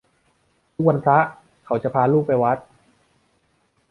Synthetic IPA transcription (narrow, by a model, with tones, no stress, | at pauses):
t̪ʰu˦˥k̚wa˧npʰɾa˦˥ʔ | kʰa˩˦wt͡ɕa˨˩pʰaː˧luː˥˩k̚ːa˧jwa˦˥t̪̚